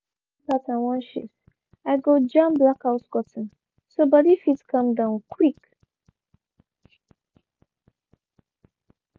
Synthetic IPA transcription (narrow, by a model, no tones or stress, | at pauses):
patãnwɔ̃nʃḭs | aɪɡod͡ʒãmblakaʊsɡɔtn̩ | sobɔdifitkʰʌ̃mdãʊ̃nkʰɹik